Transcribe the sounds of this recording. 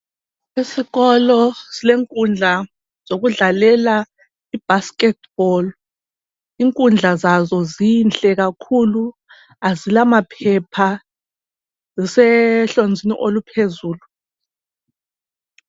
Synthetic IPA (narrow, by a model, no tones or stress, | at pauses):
esiɣɔlɔsileŋkʼund͡ɮʱa | z̥oɣuɮalɛla | ib̥askɛt̚ʰb̥ɔl | iŋkʼund͡ɮʱazazɔzint͡ɬʼɛk̬akʰulu | azilamapʰɛpʰa | zisɛɬond͡zʱinḭʔolupʰezuːlu